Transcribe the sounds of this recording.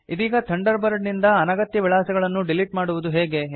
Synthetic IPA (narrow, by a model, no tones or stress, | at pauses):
id̪iːɡɐt̪ʰɐɳɖɐɾbɐɾɖnind̪ɐɐnaɡɐt̪jɐʋiɭaːsɐɡɐɭɐnːuɖiliʈmaːɽuʋud̪uɦeːɡe̞